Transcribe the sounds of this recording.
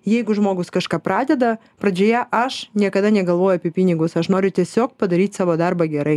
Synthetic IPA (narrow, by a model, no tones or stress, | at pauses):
jɛɪɡʊʒmoːɡʊskɐʃkɑːpɾɑːd̪ʲɛd̪ɐ | pɾɐd͡ʒʲoːjɛʔɐʃnʲiɛkɐd̪ɑnʲɛɡɐlˠʋoːjʊɐpʲɛpʲɪnʲɪɡʊsɐʃnoːɾʲʊt̪ʲiɛsʲoːkpɐd̪ɐɾʲiːt̪ʲsɑːʋoːd̪ɑɾbɐɡʲɛɾɐɪ